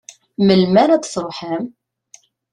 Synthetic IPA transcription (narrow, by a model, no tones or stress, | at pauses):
məlmænæt͡sːθɾˤoħæm